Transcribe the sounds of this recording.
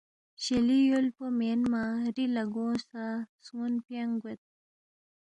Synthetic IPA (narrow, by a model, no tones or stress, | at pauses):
ɕelijolpomenmaɾilaɡõsasunpjaŋɡet̪̚